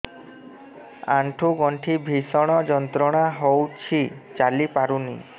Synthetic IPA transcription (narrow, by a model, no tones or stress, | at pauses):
a̰ɳʈʰuɡɔɳʈʰibʱisɔɽ̃ɔd͡ʒɔnt̪ɾɔɽ̃aɦowt͡ʃʰit͡ʃalipaɾunḭ